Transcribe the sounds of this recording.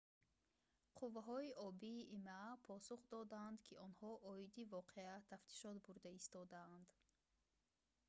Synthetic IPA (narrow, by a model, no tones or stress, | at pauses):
qʰuvːaɦɔiʔɔbiːʔimaapʰɔsuχd̪ɔd̪and̪kʰiɔnhɔʔɔid̪ivɔqʰeat̪ʰaft̪ʰi̥ʃɔt̪buɾd̪aist̪ɔd̪aːnd̪